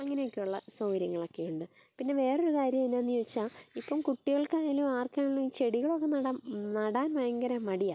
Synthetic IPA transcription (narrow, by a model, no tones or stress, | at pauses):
ɐŋːɐnejokʲːejuɭːɐsoːɾjɐŋːɐɭo̞kːe̞juɳɖɨ | pinːe̞ʋe̞ːroɾukaːɾjɐminːaːnːijot͡ɕːaːipːɐmkuʈːiɣɐɭkaːluaːrkaːnɐɭːuiːt͡ɕe̞ɽiɣɐɭo̞kːenɐɽɐnɐɽaːnʋɐjɐŋɡɐɾɐmɐɽija